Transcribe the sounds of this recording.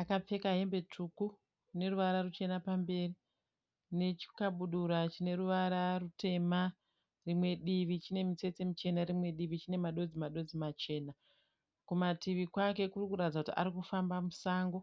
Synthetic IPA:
akap͡fe̞kaɦe̞mbe̞t͡ʂʰuku | ne̞ruʋaɾarut͡ʃe̞napambe̞ːri | ne̞t͡ʃi̥kaɓuɗuɾat͡ʃine̞ɾuʋaɾarute̞ma | rimwe̞ɗiʋit͡ʃine̞mit͡se̞t͡semut͡ʃe̞narimwe̞ɗiʋit͡ʃine̞maɗo̞d͡zimaɗo̞d͡zimat͡ʃe̞ːna | kumatiʋikwake̞kurikuɾatid͡zakutiʔa̰ɾikufambamusaːŋɡo

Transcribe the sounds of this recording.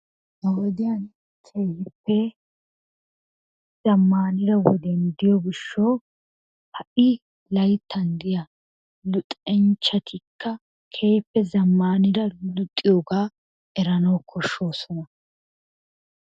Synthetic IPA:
hɐwɔd̪ɪjɐn | t̪ʰeːjɪpːɛ | z̥ɐmːaːnɪɾɐwɔ̰d̪ɛnd̪ɪjɔɡɪʃːoː | hɐʔɪ | lɐjt̪ːɐnd̪ɪja | lʊt̪ʼɛnt͡ʃːɐt̪ʰɪkːɐ | kʰeːjpːɛzɐmːaːnɪdɐlʊt̪ʼːɪjoːɡaː | ɛɾɐnɐwkʰːɔʃːo̞ːsɔnɐ

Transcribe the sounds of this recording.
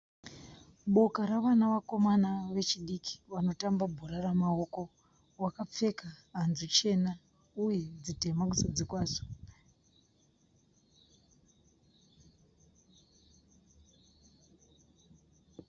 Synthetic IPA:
ɓo̞kaɾaʋanaʋako̞manaʋe̞t͡ʃiɗikʰi̥ʋano̞tambabʱuɾaɾamao̞ko̞ | wakap͡fe̞kaɦːnzut͡ʃe̞na | uje̞d͡zite̞mak̬usad͡zikwaːʐo̥

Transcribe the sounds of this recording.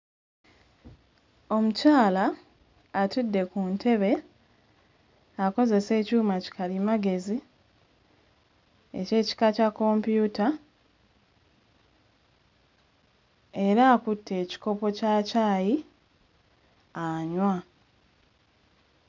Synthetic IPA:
o̞mucaːlaː | tudːe̞kuntʰe̞βe̞ | ako̞ze̞se̞ːcuːmaci̥kalimaɡe̞zi | e̞̰ce̞ːci̥kacakːo̞mpjuːta | e̞ɾaːkutʰːe̞ːci̥ko̞po̞caːcaːji | aɲwa

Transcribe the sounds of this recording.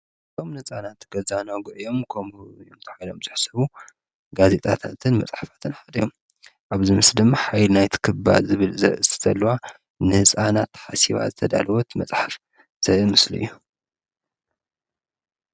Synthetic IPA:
ɨt̪ʰo̞mnɨt͡sʼanat̪ːɡ̥ɐzanaɡɨʕjo̞mkʰomjomt̪ʰɐ̥ħajlo̞̰mzɨħsɐβu | ɡaze̞t̪ʼat̪ʰat̪ʰɨnmɐ̰t͡sʼħafḁt̪ʰɨnħad̪ɐjom | ʔaβzimɨsd̪ɨmːaħajlnajt̪ʰɨ̥kʰɨba̰dzɨβɨlzɐ̰ɨst̪ʰɨ̥zʰɐlːɐwa | nɨhɨt͡sʼanat̪ʰːħasiβa̰zɨt̪ʰɐd̪a̰lɐwɔt̪mɐt͡sʼħaf | z̥ɐɨmɨslṵɨjːu

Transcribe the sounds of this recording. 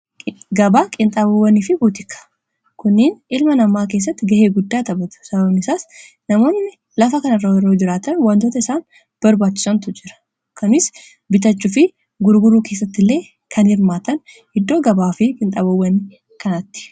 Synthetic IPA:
ɡɐbaːkʼɪnt̪ʼaːbɐwːɐnifɪbuːt̪ɪkːɐ̥ | kʊnːɪnʔɪlmɐnɐmːaːk̬e̞ːs̬ːɐt̪ːɪɡɐheːɡʊd̪ːaːt̪ɐbɐt̪ʊ̥sɐbɐbnɪsaːs | nɐmo̞ːnːɪ | lɐfɐkɐnɐrːɐwɛrːoːd͡ʒɪɾaːt̪ɐnwaːnt̪oːt̪ɐɪsaːn | b̥ɐɾbaːt͡ʃːɪ̥sɐnt̪ʊd͡ʒɪɾɐ̥ | kʰɐmɪs | bɪt̪ɐt͡ʃːʊfɪ | ɡʊɾɡʊɾuːke̞s̬ːɐt̪ːɪlːe̞ː | kʰɐnhɪɾmaːt̪ɐn | hɪd̪ːo̞ːɡɐbaːfɪkʼɪnt̪ʼaːbɐwːɐnːɪ | kɐnɐt̪ːɪ̥

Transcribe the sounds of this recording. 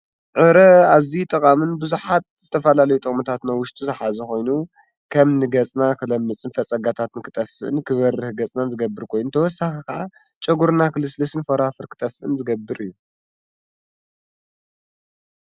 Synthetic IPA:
ʕɨɾɐazit̪ʼɐkʼamɨnbɨzuħat̪̚z̥ɨt̪ʰɐfɐlalɐjut̪ʼɨχʼmɨt̪ʰat̪nawʊʃt̪ʼuzɨħazɐko̞jnu | kʰɐmnɨɡɐt͡sʼnakʰɨlɐmːɨt͡sʼɨnfɐt͡sʼɐɡat̪ʰat̪ɨnkʰɨt̪ʼɐfːɨʔɨ̰nkʰɨβɐrːɨhɡɐt͡sʼnanzɨɡɐbːɨɾkʰo̞jnut̪ʰɐwɔsːaxikaʔa | t͡ʃʼɐɡuɾnakʰɨlɨslɐsɨnfɐɾafɨɾkʰɨ̥t̪ʼɐfɨʔɨnzɨɡɐbːɨɾɨjːu

